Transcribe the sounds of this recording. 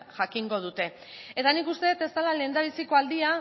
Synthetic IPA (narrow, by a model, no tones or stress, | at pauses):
ʝakiŋɡo̞ð̞ut̪e̞ | e̞t̪anikust̪e̞ðet̪e̞zd̪alale̞ːnd̪aβ̞isiko̞ald̪ia